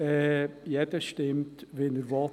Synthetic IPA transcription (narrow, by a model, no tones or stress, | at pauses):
ɛjɛd̪əʃtɪmt̪ʋɛnəɾʋɑ